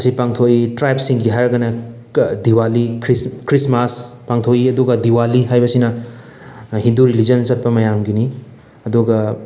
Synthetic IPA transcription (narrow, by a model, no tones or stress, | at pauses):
ɐsipaŋtʰoitɾajpsiŋɡiɦaɾɐɡɐnɐ | diwalikʰɾiskɾismaspaŋtʰojiɐduɡɐdiwaliɦajbɐsinɐ | hinduɾilid͡ʒɐnsɐt̚pɐmɐjamɡini | ɐduɡɐ